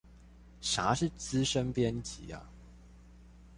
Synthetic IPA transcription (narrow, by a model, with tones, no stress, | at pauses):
ʂa˨˦ʂɻ̩˥˨t͡sɹ̩˦ʂə˦npjɛ˦nt͡ɕḭ˨˦a̰˨